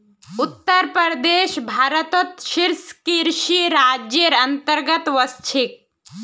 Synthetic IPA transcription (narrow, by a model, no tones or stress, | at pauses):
ut̪ːəɾpəɾd̪eʃbʱaɾət̪ət̪ʃiɾskiɾʃiɾad͡ʒjəɾənt̪əɾɡət̪ʋəst͡ʃʰik̚